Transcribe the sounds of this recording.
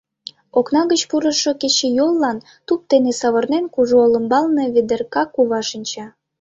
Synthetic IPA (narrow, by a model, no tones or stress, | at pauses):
oknɑɣət͡ɕpuɾə̆ʃŏket͡ɕejolˠːɑn | t̪up̚t̪enesɑβɤrnenkuʒoolə̆mbɑlneβed̪erkɑkuβɑʃinʲt͡ɕɑ